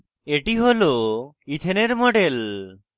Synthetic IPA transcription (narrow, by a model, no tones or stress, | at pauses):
eʈiɦolo | it̪ʰeneɾmoɖel